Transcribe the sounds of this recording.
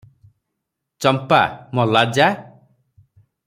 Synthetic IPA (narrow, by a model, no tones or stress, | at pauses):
t͡ʃɔmpa̰mɔlad͡ʒa